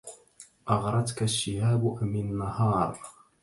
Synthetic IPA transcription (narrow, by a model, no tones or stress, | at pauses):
ʔɑɣɾˤɑd̪kaʃːɪhaːbʔmɪnːahɑːɾˤ